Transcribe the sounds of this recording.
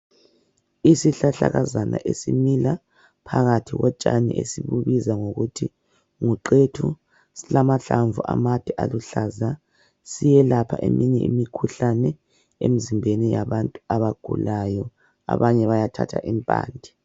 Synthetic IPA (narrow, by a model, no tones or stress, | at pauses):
isiɬaɬa̰ɣazanʔa̰ʔesimila | pʰaɣatʰiɣɔt͡ʃʼanḭʔesiβuβizaŋoɣutʰi | ŋuǃetʰu | silamaɬaɱvuʔa̰matʰʼiʔaluɬaza | sijɛlapʰaʔemʔiɲɛʔimikʰuɬanɛ | em̩zimbʱenijaβantʼuaβaɡ̥ʱṵlajɔ | a̰βaɲɛβajatʰa̰tʰa̰ʔimpʼa̰ːndʱi